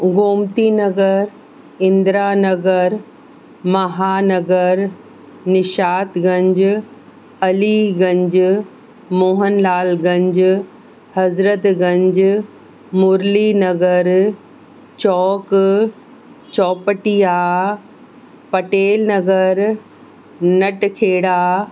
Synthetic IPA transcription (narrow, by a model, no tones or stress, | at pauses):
ɡoːmt̪inɐɡəɾ | ɪ̃nd̪ɾaːnɐɡəɾ | mɐɦaːnɐɡəɾ | nɪʃaːt̪ɡɐ̃ɲd͡ʑ | ɐliɡɐ̃ɲd͡ʒ | moːɦənlaːlɡɐ̃ɲd͡ʑ | hɐzɾət̪ɡɐ̃ɲd͡ʑ | mʊɾlinɐɡəɾ | t͡ɕɔːk | t͡ɕɔːpəʈijaː | pɐʈeːlnɐɡəɾ | nɐʈkʰeːɽaː